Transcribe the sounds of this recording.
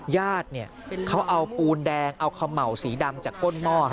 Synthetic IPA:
jaː˥˩t̪̚ni˥˩ɐkʰa˦˥wʔa˧wpuː˧ndɛː˧ŋʔa˧wkʰa˧mːa˨˩wsiː˩˦da˧mt͡ɕaː˨˩kːo˥˩nmɔː˥˩

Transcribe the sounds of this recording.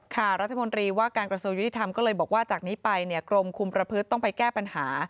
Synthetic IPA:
kʰa˥˩ɾa˦t̪ʰːa˧mo˧nt̪ɾiː˧waː˥˩kaː˧nkɾa˧su˧əŋju˦˥t̪i˩t̪ʰa˧mkɔː˥˩lɤː˧jbɔː˨˩k̚waː˥˩t͡ɕaː˨˩k̚niː˦˥pa˧jni˥˩ɐkɾo˧mkʰu˧mpɾa˧pʰɯ˦˥t̪ːɔ˥˩ŋpa˧jkɛː˥˩pa˧nhaː˩˦

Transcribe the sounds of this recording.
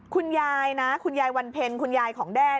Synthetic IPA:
kʰu˧njaː˧jna˦˥kʰu˧njaː˧jwa˧npʰe˧nkʰu˧njaː˧jkʰɔː˩˦ŋdɛː˥˩

